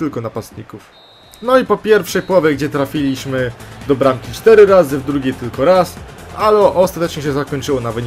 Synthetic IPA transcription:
t̪ɘlkɔnapast̪ɲikuf | nɔipɔpʲjɛɾfʂɛjpwɔvʲjɛɡd͡ʑɛt̪ɾafʲilʲiɕmɘd̪ɔbɾamkʲit͡ʂt̪ɛɾɘɾazɘvd̪ɾuɡʲejt̪ɘlkɔɾasalɛʔɔst̪at̪ɛt͡ʂɲɛɕɛzakɔɲt͡ʂɘwɔnavɘɲ

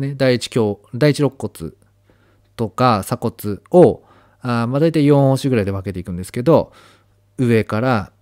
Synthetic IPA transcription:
ned̪aiit͡ɕi̥kʲo̞ːd̪ait͡ɕiɾo̞kːo̞t͡sɨ̰ | t̪o̞kasako̞t͡sɨo̞ | amad̪aijt̪aijõhoɕiɡɯ̟ɾaid̪e̞βake̞t̪eikɯ̟̃nd̪esɨ̥ke̞d̪o̞ | ɯ̟e̞kaɾa

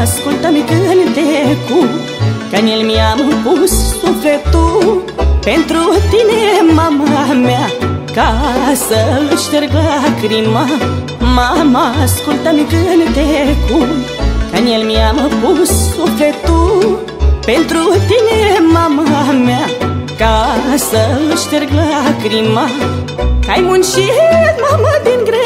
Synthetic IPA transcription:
skult̪amikɨɦnt̪eɦeku | kɐnelmiamɦpuɦsufet̪u | pent̪ɾuɦt̪inemaməɦaɦmjakasəluʃkəɾkəɦakɾima | mamaskult̪ɐmikɨɦɐnt̪eɦeku | kanielmiaməkusufet̪u | pent̪ɾut̪inemammakasəluʃkəɾɡləkɾima | kajmunʃit̪maməd̪inɡɾe

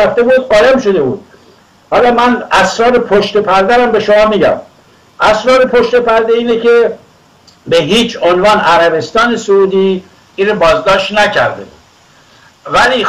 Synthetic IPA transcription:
æft̪e̞buːd̪ɒːlæmʃod̪e̞buːd̪̥̚ | hɒːlɒːmænæsɾɒːɾepʰoʃt̪epʰæɾd̪æɾæmbe̞ʃomɒːmiːɟæ̰m | ʔæsɾɒːɾepʰoʃt̪e̞pʰæɾd̪eiːnecʰe | beɦiːt͡ʃʰonvɒːnæɾæbe̞st̪ɒːnesouːd̪iː | inɾobɒːzd̪ɒːʃt̪næcʰæɾd̪ḛbṵːd̪̥ | væliː

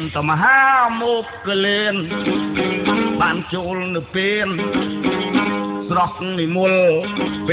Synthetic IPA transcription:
nt̪amɦaːmɔːk̚ːəleːn | ɓaːnt͡ɕoːlnɨwpeːn | srok̚niːmuəlp

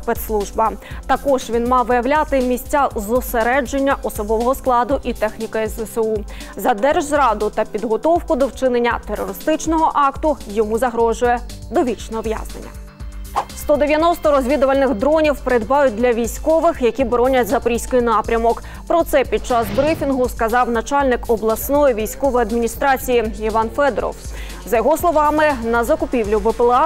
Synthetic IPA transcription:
pɛt̪slˠuʒbɐt̪ɐkɔʒʋʲinmɑʋɪjɐʋlʲat̪ɪmʲisʲt͡sʲːazʊseɾɛd͡ʒenʲːɐʔɔsɔbɔʋɔɦɔsklˠɑd̪ʊʔit̪ɛxnʲikɪɛsɛsu | zɐd̪ɛrʒzɾɑd̪ʊt̪ɐpʲid̪ɦɔt̪ɔwkʊd̪ɔwt͡ʃɪnenʲːɐt̪erːɔ̰ɾɪst̪ɪt͡ʃnɔɦɔʔɑkt̪ʊjɔmuzɐɦɾɔʒʊjɛ | d̪ɔʋʲit͡ʃnɔɦɔʋja̰znḛnʲːɐ̰ | st̪ɔd̪eʋʲjɐnɔst̪ɔɾɔzʲʋʲid̪ʊʋɐlʲnɪɣd̪ɾɔnʲiwpeɾed̪bɑjʊt̚ʲd̪lʲɐʋʲijsʲkɔʋɪxjɐkʲibɔɾɔnʲɐtʲzɐpɾʲisʲkɔjinɑpɾʲɐmɔk | pɾɔt̪sɛpʲid̪̚t͡ʃɑzbɾɪfʲinɦʊskɐzɑwnɐt͡ʃɑlʲnɪkɔblˠɐsnɔjiʋʲijsʲkɔʋɔjiɐd̪mʲinʲist̪ɾɑt͡sʲijiiʋɑnfɛd̪̰ɾɔ̰w | zɐjɔɦɔslˠɔʋɑmɪnɐzɐkʊpʲiwlʲʊʋɪpelˠɑ

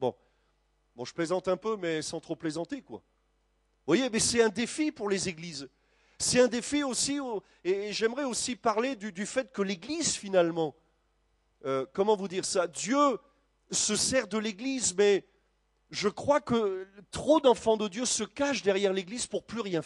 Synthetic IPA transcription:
bɔ̰̃ | bɔ̃ʒə̥plezɑ̃t̪ɛ̃pømɛsɑ̃t̪χoplezɑ̃t̪ekwa̰ | vwajemɛsɛt̪ɛ̃d̪efipuʁlezeɡliz | sɛt̪ɛ̃d̪efiosio | eːʒɛmʁɛosipaʁled̪yd̪yfɛt̪kəleɡlizfinalmɑ̃ | økɔmɑ̃vud̪iʁsad̪jø | səsɛʁd̪əleɡlizmɛ | ʒəkχwakət̪χod̪ɑ̃fɑ̃d̪əd̪jøsəkaʃd̪ɛʁjɛʁleɡlizpuʁplyʁjɛ̃

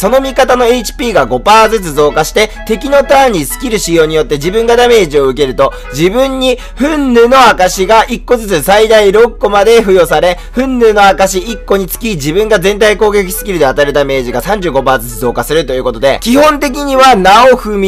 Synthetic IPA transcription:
so̞no̞mʲikat̪ano̞e̞it͡ɕi̥pʲiːɡaɡo̞paːzɨt͡sɨzo̞ːkaɕi̥t̪e̞t̪e̞kʲino̞t̪ãɲ̟ːisɨ̥kʲiɾɯ̟ɕijo̞ːɲ̟ijo̞t̪ːe̞d͡ʑibɯ̟̃ŋɡad̪ame̞ːʑio̞ɯ̟ke̞ɾɯ̟t̪o̞ | d͡ʑibɯ̃ɲ̟ːi | ɸɯ̟̃nːɯ̟ːno̞akaɕiɡaʔikːo̞zɨt͡sɨsaid̪aiɾo̞kːo̞mad̪e̞ɸɯ̟jo̞saɾe̞ | ɸɯ̟̃nːɯ̟ːno̞akaɕiikːo̞ɲ̟it͡sɨ̥kʲid͡ʑibɯ̟̃ŋɡazẽ̞nt̪aiko̞ːɡe̞k̬ʲi̥sɨ̥kʲiɾɯ̟d̪e̞at̪aeɾɯ̟d̪ame̞ːʑiɡasãɲ̟d͡ʑɨːɡo̞baːzɨt͡sɨzo̞ːkasɨɾɯ̟t̪o̞jɯ̟ko̞t̪o̞d̪e̞̰kʲihõ̞nt̪e̞k̬ʲiɲ̟iβanaoɸɯ̟mʲi

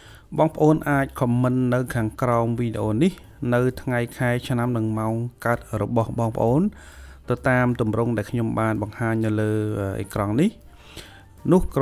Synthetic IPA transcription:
ɓɑːŋpə̆ʔoːnʔaːc̚kʰɑmːɨnːɨwkʰaːŋkraɔmʋiːɗeʔoːnih | nɨwt̪ʰŋajkʰaɛt͡ɕʰnamnɨŋmaɔŋkaət̪̚rɔɓɑhɓɑːŋpə̆ʔoːn | t̪ɨt̪aːmt̪umrʊŋɗaɛlkʰɲomɓaːnɓɑŋhaːɲnɨwləːəʔḛːkrɑŋnih | nʊ̆hk

